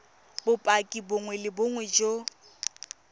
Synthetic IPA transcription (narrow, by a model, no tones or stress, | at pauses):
bʊpʼakʼiboŋwɛlɪboŋwɛd͡ʒo